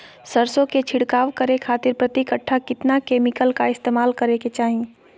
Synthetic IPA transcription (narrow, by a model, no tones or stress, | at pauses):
səɾsõket͡ʃʰɪɽkaːʋkəɾekʰaːt̪ɪɾpɾɐt̪ɪkəʈʰːakɪt̪nakeːmɪkəlkaɪst̪eːmaːlkɐɾeket͡ʃaːɦie